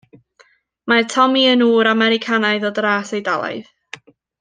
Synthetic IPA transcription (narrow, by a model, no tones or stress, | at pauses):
matʰɔmiənuːɾamɛɾɪkʰanaɨðɔdraːsejdalˠa̰jð